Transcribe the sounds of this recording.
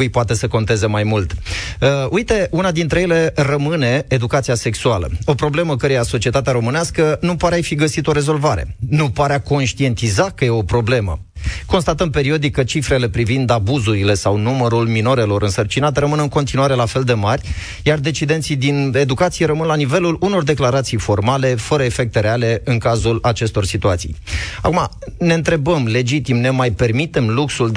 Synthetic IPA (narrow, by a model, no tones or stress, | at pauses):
ɨjpoat̪e̞səko̞nt̪e̞ze̞majmult̪əʔujt̪e̞unad̪int̪ɾe̞jele̞rəmɨne̞ːd̪ukat̪siase̞ksualə̰o̞pɾo̞ble̞məkəɾejaso̞t͡ʃie̞t̪at̪eaɾo̞mɨneaskənupaɾeajfiɡəsit̪o̞ɾe̞zo̞lvaɾe̞̰nupaɾeako̞nʃt̪ie̞nt̪izakəje̞o̞pɾo̞ble̞mə̰ | ko̞nst̪at̪əmpe̞ɾio̞d̪ikːət͡ʃifɾe̞le̞pɾivind̪abuzuɾile̞sawnuməɾulmino̞ɾe̞lo̞ɾʔɨnsərt͡ʃinat̪eɾəmɨnɨŋko̞nt̪inuaɾe̞lafe̞ld̪e̞marʲ | jard̪e̞t͡ʃid̪ent̪sijd̪ine̞d̪ukat̪sije̞ɾəmɨnlanive̞luluno̞rd̪e̞klaɾat̪sijfo̞rmale̞fəɾəefe̞k̚t̪e̞ɾe̞ale̞ɨnŋkazulat͡ʃe̞st̪o̞rsit̪uat̪sḭja̰kuma̰ | ne̞ɨnt̪ɾe̞bəmle̞d͡ʒit̪imne̞majpe̞rmit̪e̞mluksul